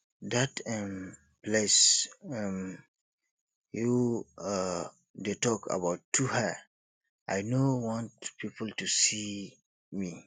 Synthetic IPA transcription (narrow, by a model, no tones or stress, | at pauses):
datɛm | plesɛm | ju | detɔkʰa̰baʊtʰːuhɛ | ʔaɪnowɔ̃nt̚pipltusi | mi